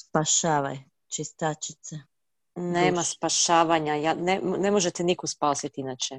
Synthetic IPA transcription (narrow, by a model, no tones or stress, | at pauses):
spaʃaːʋa̰j | t͡ʃest̪at͡ʃi̥t̪se | neːmaspaʃaːʋaɲajanenemoʒet̪enikospaːsit̪inat͡ʃe